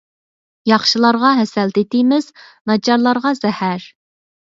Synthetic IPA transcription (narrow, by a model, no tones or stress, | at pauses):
jɑχʃilˠɑɾʁɑɦɛsɛlt̪et̪ɪmɪznɑd͡ʒɑɾlˠɑɾʁɑzɛhæɾ